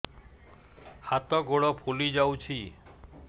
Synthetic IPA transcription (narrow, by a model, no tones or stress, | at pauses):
hat̪ɔɡoɽɔpʰulid͡ʒawt͡ʃʰi